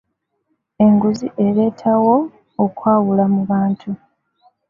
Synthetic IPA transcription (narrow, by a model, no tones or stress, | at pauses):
e̞ŋɡuziʔe̞ɾe̞ːtʰawo̞ː | kwaːwulamuβaːntʰu